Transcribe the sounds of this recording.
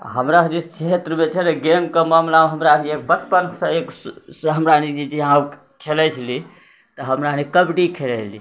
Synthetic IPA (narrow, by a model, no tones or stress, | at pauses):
ɦəmɾaɦɾit͡ʃʰet̪ɾəmet͡ʃʰɛneɡemkəmamlamɦəmɾaniek̚bəspənsəeksɦəmɾanid͡ʒid͡ʒiã | kʰelɛt͡ʃʰəli | t̪əɦəmɾanikəbɖikʰelɛt͡ʃʰli